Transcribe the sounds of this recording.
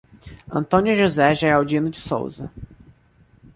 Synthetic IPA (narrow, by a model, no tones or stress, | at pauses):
ɐ̰̃nt̪õnjʊʒuzɛʒɛɛawd͡ʒĩnʊd͡ʒɪso̰wzɐ